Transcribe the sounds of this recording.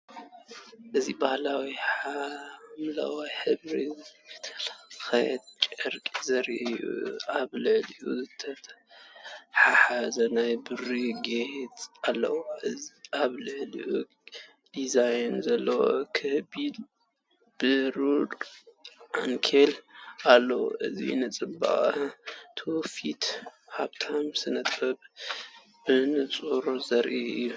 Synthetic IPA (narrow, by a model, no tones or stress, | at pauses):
ʔɨzibahlawiħamla̰wajħɨβɾit̪ʰɐlxɐjd̪̚t͡ʃʼɐɾkʼizɐɾiʔɨjːṵaβlɨʕliʔuzɨt̪ʰɐt̪ | ħaħazɐnajbɨɾiɡeht̪alːɐ̰wɨziʔaβlɨʕlḭʔu | d̪̥izajnzɐlːɐwo̰kʰɨhbil | b̥ɨɾuɾ | ʔaŋkʰelʔalːɐwo̰ʔɨ̰zḭnɨt͡sʼɨba̰χʼt̪ʰofit̪haβt̪ʰamsɨnɐt̪ʼɐb | bɨnɨt͡sʼuɾzɐɾʔiɨ̰jːu